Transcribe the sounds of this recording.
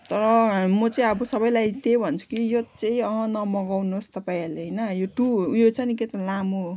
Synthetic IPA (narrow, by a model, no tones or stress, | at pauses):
t̪ʌɾʌmʌt͡saĩʌbʌsʌbʌjlajt̪ebʱʌnt͡sʰu̥kijot͡saĩʌɦʌ̃nʌmʌɡawnost̪ʌpaĩɦʌleɦʌjnʌjoʈujot͡sʰaniket̪alamo